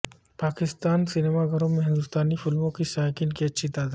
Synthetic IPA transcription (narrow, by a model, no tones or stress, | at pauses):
paːkɪst̪aːnsɪnemaɡʱɐɾõmẽɦɪ̃nd̪ʊst̪aːnifɪlmõkisaːɦkɪnkiɐtːʃʰit̪aːd̪a